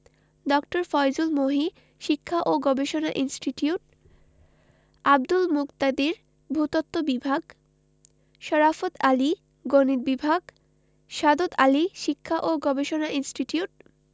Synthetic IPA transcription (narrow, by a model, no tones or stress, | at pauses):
ɖɔk̚ʈoɾfɔjd͡ʑulmoɦi | ʃikʰːaʔoɡɔbeʃonaʔinsʈiʈiuʈ̚ | ab̚d̪ulmukt̪ad̪iɾ | bʱut̪ot̪ːobibʱaɡ | ʃɔɾafot̪ali | ɡoniɾ̚bibʱaɡ | ʃad̪ot̪aliʃikʰːaʔoɡɔbeʃonaʔinsʈiʈiuʈ̚